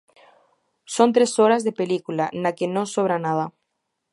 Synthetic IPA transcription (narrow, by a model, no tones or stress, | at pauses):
sont̪ɾesoɾazðepelikulanakenosoβɾanað̞a